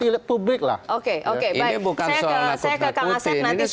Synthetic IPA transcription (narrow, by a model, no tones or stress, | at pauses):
ilɪpublɪk̚la̰hokeʔokebajibukajaəsajakəkaasɛnanis